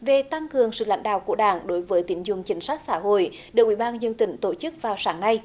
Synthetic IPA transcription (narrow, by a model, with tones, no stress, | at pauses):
ve˨˩t̪a˧ŋkɨ˨˩əŋsɨ̰˧˨la̰˧˦ŋ̟ɗa̰ː˧˨wku˧˩əɗaː˧˩ŋɗo˨˦jvəː˨˦jt̪i˨˦nzʊ˨˩ŋ͡mt͡ɕï˨˦ŋ̟sa˦˥k̟̚saː˧˥ɦo̰˧˨jɗɗɨ˨˩ək̚ʔi˧˩ɓaː˧nzə˧ŋt̪ï˨˩˦ŋ̟t̪o˧˩t͡ɕɨ˦˥k̚vaː˨˩wsaː˨˦ŋna˧j